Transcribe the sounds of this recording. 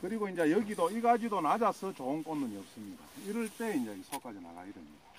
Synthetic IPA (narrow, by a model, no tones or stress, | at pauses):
kɯɾiɡoind͡ʑejʌɡidoiɡad͡ʑidonad͡ʑasʰɯt͡ɕoonk͈ʌndɯɲiʌp̚s͈ɯmɲida̰iɾɯɭt͈e̞ind͡ʑeisʰok͈ad͡ʑina̰ɡa̰idemɲida